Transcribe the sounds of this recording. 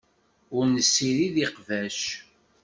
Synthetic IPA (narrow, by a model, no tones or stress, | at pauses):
ʊɾnəsːiɾiðiqvæʃ